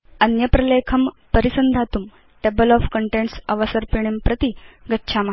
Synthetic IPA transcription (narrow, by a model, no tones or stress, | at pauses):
ənjəpɾɐlekʰəm | pəɾisənd̪ʱat̪um | ʈebəlɔfkəɳʈẽɳʈsəʋasəɾpiɳ̃impɾət̪iɡətːɕʰama